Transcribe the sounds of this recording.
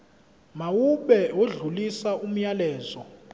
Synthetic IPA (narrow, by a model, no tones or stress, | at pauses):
mawuɓɛwoɮulisaʔum̩jalɛːzɔ